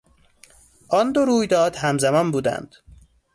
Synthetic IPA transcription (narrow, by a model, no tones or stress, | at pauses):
ʔɒnd̪oɾuːjd̪ɒːd̪hæmzæmɒnbuːd̪æ̰nd̪̥